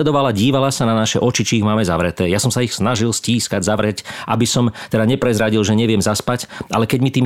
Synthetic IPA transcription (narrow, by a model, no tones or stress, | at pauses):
ɛd̪ɔʋalaɟiːʋalasananaʃɛʔɔt͡ʃit͡ʃiːɣmaːmɛza̰ʋɾɛt̪ɛːjasɔmsaixsnaʒilsciːskaɟzaʋɾɛcʔabisɔmt̪ɛd̪aɲɛpɾɛzɾaɟilʒɛɲɛʋɪɛmzaspacʔa̰lɛkɛɟmit̪iːm